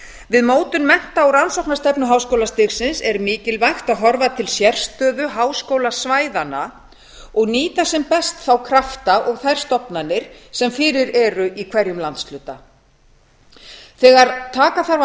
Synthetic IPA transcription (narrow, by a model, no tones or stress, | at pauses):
vɪðmoːwt̪ʏnmɛn̥t̪aawɾansɔwknast̪ɛpnʏɦaːwskowlast̪ɪɣsɪnsɛɾʏmiːcɪlvajxt̪aðɦɔɾvat̪ʰɪlsjɛr̥st̪œːðʏɦaːwskoːwlasvaːjðana | ɔɣniːt̪asɛmpɛst̪θawkʰɾaft̪aʔɔɣθajɾ̥st̪ɔpnanːɪɾ̥sɛmfɪːɾɪɾɛɾʏʔikʰvɛɾjʏmlant̪slʏːt̪a | θɛːɣaɾt̪ʰaːkaθaɾ